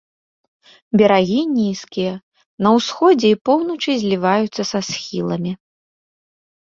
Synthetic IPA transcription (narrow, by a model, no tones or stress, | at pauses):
bʲɛɾaɣʲinʲiskʲijɐ | nɐwsxɔd͡zʲɛipɔwnɐt͡ʂɨzʲlʲivajut̪sːɐsasxʲilˠɐmʲi